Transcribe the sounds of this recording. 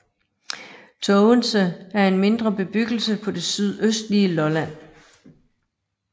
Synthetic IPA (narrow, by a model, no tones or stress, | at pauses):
t͡sʰɔʊənsəæɐe̝nme̝nd̥ʁɐb̥e̝b̥yɡ̥l̩səpʰɒ̽d̥e̝syð̞̰ˠøsd̥liəlɒ̽læn̰